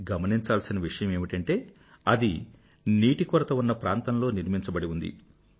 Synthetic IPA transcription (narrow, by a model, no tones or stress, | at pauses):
ɡɐmɐniɲt͡ʃaːlsinɐʋiʂɐjɐme̞ːmiʈɐɳʈe̞ː | ɐd̪i | niːʈikɔɾɐt̪ɐunːɐpɾaːnt̪ɐnlo̞ːniɾmiɲt͡ʃɐbɐɽiund̪ḭ